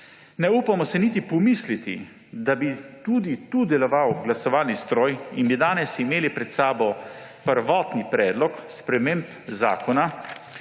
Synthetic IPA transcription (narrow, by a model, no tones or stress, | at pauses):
nɛuːpamɔsɛnit̪ipɔmislit̪ḭ | d̪abit̪uːd̪it̪uːd̪ɛlɔʋawɡlasɔʋaːlnist̪ɾoːjinbid̪aːnɛsimeːlipɾɛt̪saːbɔ | pəɾʋɔːt̪nipɾɛːd̪lɔkspɾɛmemp | za̰ːkɔna